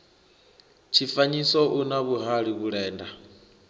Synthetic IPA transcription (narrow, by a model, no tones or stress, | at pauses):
t͡ʃʰifaɲisɔʔunaβuɦaɺiβuɺɛːnda